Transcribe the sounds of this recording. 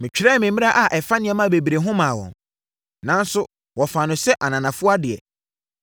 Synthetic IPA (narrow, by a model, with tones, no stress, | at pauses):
mɪ̃˨t͡ɕᶣɾɛ˦˨mɪ̃˨m˦mɪ̃˦a˦ʔa˨ʔɛ˨fa˦nɪ̃˨ɛ̃˨mã˦˨be˨bi˨ɾe˨ɦʊ̃˦mã˨wɔ̰̃˨n | nã˦n̩˦sʊ˦ | wɔ˨fa˨nʊ̃˨sɛ˦ʔa˨nã˨nã˨fʊ˦a˦dɪ˨ɛ̰˨